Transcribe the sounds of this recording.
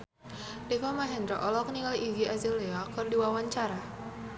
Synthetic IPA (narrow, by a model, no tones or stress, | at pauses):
dɛfɔmaɦɛnd̪ɾɔʔɔlɔk̚niŋaliɡiazileakɨrdiwawaɲt͡ʃaɾa